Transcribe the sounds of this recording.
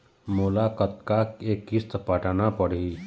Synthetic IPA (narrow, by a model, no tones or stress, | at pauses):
moːlaːkət̪kakeːkːɪst̪pəʈanapəɽiː